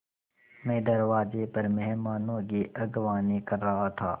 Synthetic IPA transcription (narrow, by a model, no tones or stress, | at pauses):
mɛ̃ːd̪ɐɾʋaːzepɐɾmɛɦmaːnõkiʔɐɡʋaːnekɐɾːɐɦat̪ʰaː